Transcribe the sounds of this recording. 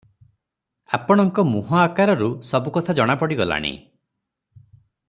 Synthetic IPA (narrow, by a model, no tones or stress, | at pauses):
a̰pɔɽ̃ɔŋkɔmuɦɔakaɾɔɾusɔbukɔt̪ʰad͡ʒɔɽ̃apɔɽiɡɔla̰ɽ̃ḭ